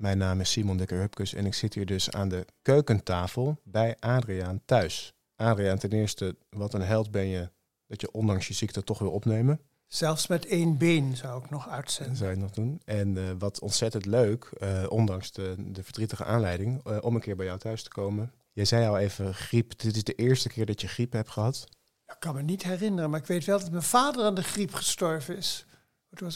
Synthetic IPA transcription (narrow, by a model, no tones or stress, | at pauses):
mɛjnːaːmɪsimɔndɪkəɹɦøpkəsɛ̰nɪksɪthiːɹdɵsa̰ːndəkøɥkəntaːfəlˠbɛjʔaːdriaːntœɥs | ʔaːdriaːntɛnɪːɹstəʋɑtənɦɛlˠtbɛnjə | d̥ɑtjəʔɔndɑŋsjəzik̚tətɔχʋɪlˠɔpnejmən | z̥ɛlˠfsmɛtejnbeːnzawɪknɔχœɥtsɛzawɪknɔχdunɛnʋɑtʰɔ̰ntsɛtəntløɥkʔɔndɑŋsədəvəɹdritəχə̰ʔaːnlɛjdɪŋʔɔmənkɪːɹbɛjɔwtœɥstə̥kowmən | jɛjzɛjɑlˠejvəχripdɪtɪzdəʔɪːɹstəkɪːɹdɑtjəχripɦɛp̚tχəɦɑt | jaɪkːɑnmənitɦɛrɪnərənmaːɹɪkʋejtʋɛlˠdɑtmɛjnvaːdəraːndəχripχə̥stɔɹvənɪs | tu